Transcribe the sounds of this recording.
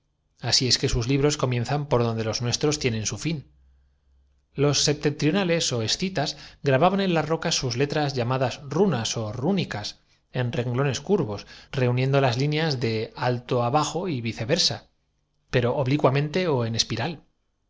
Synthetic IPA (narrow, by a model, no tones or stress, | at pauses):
asie̞ske̞suzliβ̞ɾo̞sko̞mjẽ̞nθampo̞ɾð̞o̞nd̪e̞lo̞znwe̞st̪ɾo̞st̪je̞nẽ̞nsufin | lo̞sːe̞p̚t̪e̞nt̪ɾijo̞nale̞so̞e̞sθit̪azɣɾaβaβane̞nlazro̞kasːuzle̞t̪ɾazʝamaðasrunaso̞runikas | e̞nrẽ̞ŋɡlo̞ne̞skuɾβo̞sre̞unje̞nd̪o̞lazlinjazðe̞alt̪o̞aβaxo̞iβiθe̞βe̞ɾsa̰ | pe̞ɾo̞ʔoβlikwamẽ̞nt̪e̞o̞e̞ne̞spiɾal